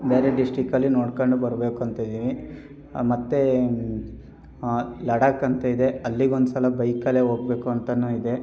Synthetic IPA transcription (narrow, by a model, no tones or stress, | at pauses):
be̞ːɾe̞ɖisʈɾikɐlːinoːɽkoɳɖubɐɾbe̞ːkuɐnt̪ɐid̪iːʋi | mɐt̪ːe | lɐɽaːkːɐnt̪ɐid̪e̞ɐlːiɡond̪usɐlɐbɐjkɐleːɦoːɡ̚be̞ːkuɐnt̪ɐnːuːid̪e̞